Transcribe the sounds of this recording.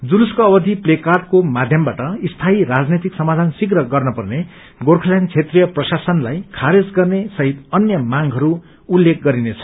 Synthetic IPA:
d͡zuluskʌːbʌd̪ʱiplekarʈ̚komad̪ʱjʌmbaʈʌist̪ʰaiɾad͡znet̪iksʌmad̪ʱansikrʌɡʌrnʌpʌrne | ɡorkʰʌlant͡sʰet̪rijʌprʌsasʌnlajkʰaɾed͡zɡʌrnesʌɦit̪ʌnjʌmaŋɡɦʌɾu | ulːek̚ɡʌɾinet͡sʰʌ̥

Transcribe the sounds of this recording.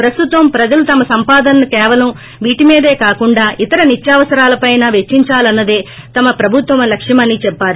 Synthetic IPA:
pɾɐst̪ut̪ʋɐmpɾɐd͡ʒɐlut̪ɐmɐsɐmpaːd̪ɐnɐːikɛːʋɐlɐm | ʋiːʈimiːd̪e̞ːkaːkuɳɖaːʔit̪ɐɾɐnitjaːʋɐsɐɾaːlɐpɐjnaːʋet͡ʃːiɲt͡ʃaːlɐnːɐd̪eː | t̪ɐmɐpɾɐbʱut̪ʋɐmɐlɐkʂimɐnːiːt͡ʃɛpːaːɾi

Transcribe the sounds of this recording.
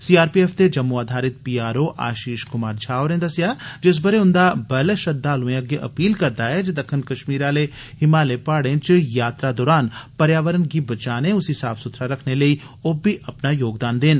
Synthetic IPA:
siːaːɾpiɛːft̪ed͡ʒɐmːuaːd̪ʱaːɾɪt̪̚piːaːɾoʔa̰ːʃiːʃkʊmaːɾd͡ʒʰʱaːoːɾẽnd̪ɐsjad͡ʒɪs̬bɐɾeʊ̃nd̪abɐleʃɐd̪ːaːlũẽɐɡjəʔɐ̰piːlkɐɾt̪aɦɛd͡ʒed̪ɐkʰːənkɐʃmiːɾaːle | hɪmaːlepaːɽẽt͡ʃjaːt̪ɾad̪ɔːɾaːnpɐɾjaːʋəɾənkibɐt͡ʃaːnẽʊsisaːfsʊt̪ʰɾaɾɐkʰneləi | oːbʱiʔɐpnajoːɡd̪aːnd̪ɪːn

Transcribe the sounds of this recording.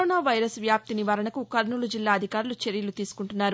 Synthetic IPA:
oːnaːʋɐjɾɐsʋjaːp̚t̪iniʋaːɾɐɳɐkukɐɾnulud͡ʒilːaːɐd̪ʱikaːɾulut͡ʃeɾjɐlut̪iːsu̥kuɳʈunːaːɾu

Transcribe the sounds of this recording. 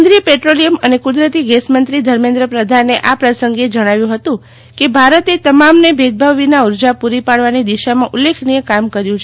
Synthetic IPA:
d̪ɾiəpeʈɾolijəmənekud̪ɾət̪iɡesmənt̪ɾid̪ʱəɾmẽnd̪ɾəpɾəd̪ʱanːeʔapɾəsəŋɡed͡ʒəɽ̃aʋjũɦət̪ũ | kebʱaɾət̪et̪əmamnebʱed̪̚bʱaʋinauɾd͡ʒapuɾipaɽʋanid̪iʃamãʔulːekʰnijəkamkəɾjũt͡ʃʰ

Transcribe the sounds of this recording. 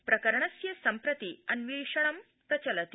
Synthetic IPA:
pɾɐkɐɾɐɳɐsjɐsɐmpɾɐt̪iɐnʋiʂɐɳ̃ɐm | pɾɐt͡ɕɐlɐt̪i

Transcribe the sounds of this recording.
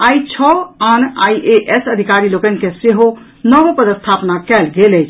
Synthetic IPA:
ait͡ʃʰɔana̰jʔeʔɛsəd̪ʱikaɾilokənkeseɦo | nəʋpəd̪əst̪ʰapnakɛlɡelɛt͡ʃʰ

